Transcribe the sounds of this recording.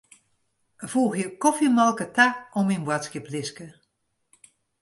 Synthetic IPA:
v̥uːxjəkɔfimalˠkətaɔminbwatskɪplɪskə

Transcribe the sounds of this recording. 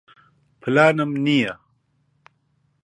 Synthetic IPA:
pʰlaːnɐmnija

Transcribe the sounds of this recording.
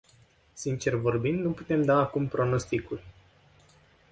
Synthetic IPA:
sint͡ʃe̞rvo̞rbind̪nuput̪e̞md̪aːkumpɾo̞no̞st̪ikurʲ

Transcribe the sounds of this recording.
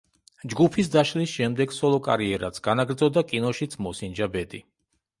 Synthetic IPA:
d͡ʒɡupʰisd̪aʃlisʃɛmd̪ɛɡsɔlˠɔkʼa̰ɾiɛɾa̰t̪sʰɡ̥anaɡɾd̪zɔd̪akʼinɔʃit̪sʰmɔsind͡ʒabɛd̪i

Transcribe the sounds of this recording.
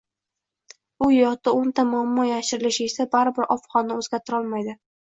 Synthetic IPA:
ʊjɒt̪aont̪ʰamʊamːɒjaʃɪɾɪlɪʃɪesabaɾɪbɪɾʔɒfχɒnaɵzɡʲaɾt̪ʰɪɾɒlˠmajd̪ɪ

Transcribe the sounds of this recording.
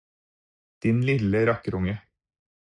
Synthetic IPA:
d̪̥ɪnlɪləɾɑkəɾʊŋə

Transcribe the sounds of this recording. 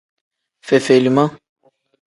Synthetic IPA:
fefelumɐ̃

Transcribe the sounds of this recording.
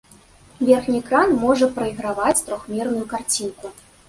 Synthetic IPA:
vʲɛrxnʲikɾanmɔʐɐpɾɐiɣɾavat͡sʲt̪ɾɔxmʲɛrnujukart͡sʲinku

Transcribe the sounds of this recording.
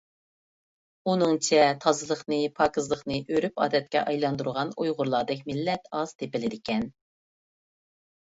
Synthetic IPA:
unɨŋt͡ʃʰɛt̪ʰɑzɨlˠəχnɨpʰɑːkɨzlˠəχnɨʔøɾypɑ̰ːd̪ɛt̪̚kʲɛ̰ʔɑjlˠɑnd̪uɾʁɑnujʁʊɾlˠɑd̪ɛk̬̚ʲmɪlːɛt̪ɑz̥t̪ʰepɪlɪd̪ɪkʲʰɛn

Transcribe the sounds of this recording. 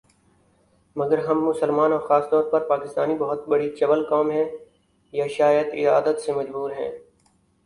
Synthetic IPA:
mɐɡəɾɦɐmːʊsəlmaːnɔːɾxaːst̪ɔːɾpɐɾpaːkɪst̪aːnibɐɦʊt̪bɐɽit͡ʃɐʋəlkaːmɦɛ̃ː | jaʃaːjəd̪ɪ̰a̰ːd̪ət̪semɐd͡ʒbuːɾɦɛ̰̃ː

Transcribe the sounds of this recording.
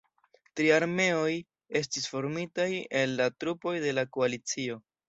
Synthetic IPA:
tɾiaɾme̞o̞j | e̞s̬tisfo̞ɾmitaje̞lːatɾupo̞jde̞lako̞alit͡sio̞

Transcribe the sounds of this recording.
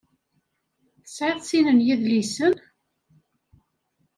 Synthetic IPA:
θə̥sʕɪðˤsinənjiðlisən

